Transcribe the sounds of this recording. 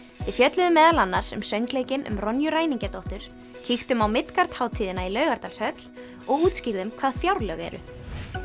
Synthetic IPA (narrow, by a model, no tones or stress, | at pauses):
ɪfjœt̪lɪðʏmːɛːðalanːaɾ̥sʏ̰msœɥŋkleːjcɪnʔʏ̰mrɔnjʏɾaːjniɲcat̪owht̪ʏɾ̥ | cʰixt̪ʏmawmɪt̪kaɾt̪haːwt̪ʰiːðɪnailœɥɣaɾt̪alshœt̪l̥ | ɔɣuːt̪sciɾðʏmkʰvaːðfjawɾlœɣɛ̰ɾʏ̰